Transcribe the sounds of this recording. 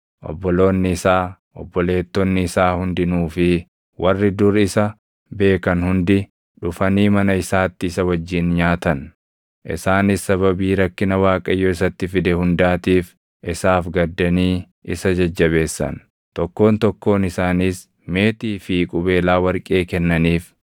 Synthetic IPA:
ʔɔ̰bːɔlo̞ːnːɪɪsaː | ʔɔ̰bːɔle̞ːt̪ːɔnːɪɪsaːhʊnd̪ɪnuːfɪ | wʔɐrːɪd̪ʊɾɪsɐ | be̞ːkɐnhʊnd̪ɪ | ᶑʊfɐniːmɐnɐɪsaːt̪ːɪɪsɐwɐd͡ʒːiːnɲaːt̪ɐn | ʔɪ̰saːnɪsːɐβɐbiːɾɐkːɪnɐwaːkʼɐjːoːɪsɐt̪ːɪfɪd̪ɛhʊnd̪aːt̪iːf | ʔɪsaːfɡɐd̪ːɐniː | ɪsɐd͡ʒɐd͡ʒːɐβe̞ːsːɐ̰n | t̪ɔkːo̞ːnt̪ɔkːo̞ːnɪsaːniːs | me̞ːt̪iːfikʼʊbe̞ːlaːwɐɾkʼe̞ːkɛnːɐniːf

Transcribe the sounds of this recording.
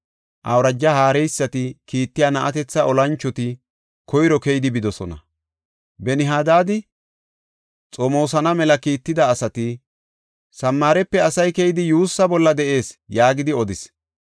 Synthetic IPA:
ʔɐwɾɐd͡ʒːɐhaːɾɛjsːɐt̪ɪkiːt̪ːɪjaːnɐʔɐt̪ɛt͡sːɐʔɔlɐnt͡ʃːɔt̪ɪ | kɔjɾɔkɛjɪd̪ɪbɪd̪ɔsɔnɐ̰ | bɛnɪɦaːd̪aːd̪ɪ | t͡sʼɔmo̞ːsɐnɐmɛlɐkiːt̪ːɪd̪ɐːsɐt̪ɪ | sɐmːaːɾɛpːɛɐsɐjkɛjɪd̪ɪjuːsːɐbɔlːɐd̪ɛʔe̞ːsjaːɡɪd̪ɪɔd̪ɪs

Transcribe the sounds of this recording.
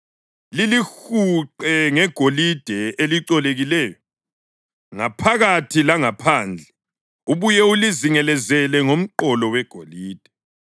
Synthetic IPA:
lilixuǃɛŋɛɡ̥ʱolid̥ʱɛeliǀɔleɣilɛːjɔ | ŋapʰaɣatʰilaŋapʰaːnd͡ɮʱɛ | uβujɛuliziŋɛlɛzɛlɛŋom̩ǃɔlɔwɛɡ̥ʱoliːd̥ʱɛ̥

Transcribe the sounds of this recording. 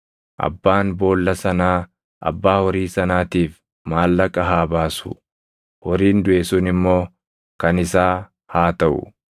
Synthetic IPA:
ʔɐ̰bːaːnbo̞ːlːɐsɐnaː | ʔɐ̰bːaːwɔɾiːsɐnaːt̪iːf | maːlːɐkʼːɐɦaːbaːsʊ̥ | hɔɾiːnd̪ʊʔesʊnɪmːo̞ː | kɐnɪsaː | haːt̪ɐʔʊ̰

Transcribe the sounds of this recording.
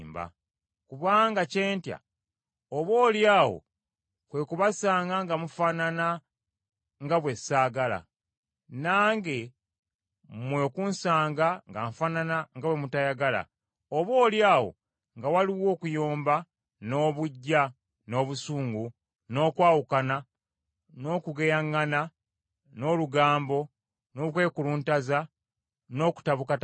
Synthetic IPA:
mba̰ | kuβaːŋɡace̞ːntja̰ | oβo̞ːljaːwo̰ | kwe̞kuβasaːŋɡaŋɡamufanana | ŋɡaβwe̞saːɡala̰ | naːŋɡe̞ | mwe̞kunsaːŋɡaŋɡaɱfananaŋɡawemutajaɡala̰ | oβo̞ːljaːwo̞̰ | ŋɡawaliwo̞ːkujoːmba | no̞ːβuɟːa | no̞ːβusuːŋɡu | no̞ːkwaːwukana | no̞ːkuɡejaŋːana | no̞luɡaːmbo̞ | no̞kwe̞ːkuluːntaza | no̞ːku̥taβukat

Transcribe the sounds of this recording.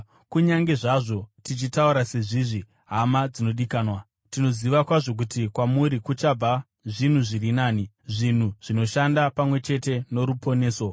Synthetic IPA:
kuɲaŋɡe̞ʐaʐo̞tit͡ʃitauɾase̞ʐiːʐi | ɦamad͡zino̞ɗikaːnwa | tino̞ziʋakwaʐo̞k̬utikwamuɾikut͡ʃab͡va | ʐin̤uʐirinaːni | ʐin̤uʐ̥ino̞ʃandapamwe̞t͡ʃe̞te̞no̞ɾupo̞ne̞ːso̞

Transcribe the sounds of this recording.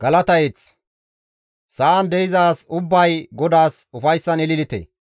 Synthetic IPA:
ɡ̥ɐlɐt̪ɐjet͡s | sɐʔɐnd̪ɛjɪzaːsʊbːɐjɡɔd̪aːsʊfɐjsːɐnɪlɪlɪt̪ḛ

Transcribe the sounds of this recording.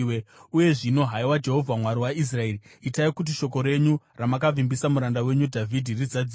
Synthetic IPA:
euje̞ʐino̞ɦaiwad͡ʒe̞ɦo̞vʱamwaɾiwais̬rae̞riitaikut̬iʃo̞ko̞ɾe̞ɲuramakavimbisamuɾandawe̞ɲudʱavʱidʱirid͡zad͡zi

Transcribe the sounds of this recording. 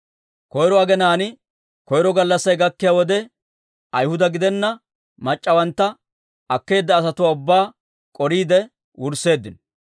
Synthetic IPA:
kɔjɾɔɐɡɛnaːnɪ | kɔjɾɔɡɐlːɐsːɐjɡɐkːɪjaːwɔd̪ɛ | ʔɐjhʊd̪ɐɡɪd̪ɛnːɐ | mɐt͡ʃʼːɐwɐnt̪ːɐ | ɐkːe̞ːd̪ːɐːs̬ɐt̪ʊwaːʊbːaː | kʼɔɾiːd̪ɛ | wʊɾsːe̞ːd̪ːɪn

